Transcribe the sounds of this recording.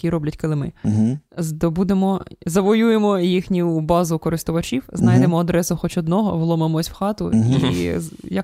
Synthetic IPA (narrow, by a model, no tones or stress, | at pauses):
kʲiɾɔblʲɐtʲkɔlˠɪmɪ | zd̪ɔbud̪emɔzɐʋɔjuje̞mɔjixnʲibɑzʊkɔɾɪst̪ʊʋɐt͡ʃʲiwznɑjd̪emɔɐd̪ɾɛsʊxɔt͡ʃɔd̪nɔɦɔʋlˠɔmemɔsʲwxɑt̪ʊ̰ḭjɐk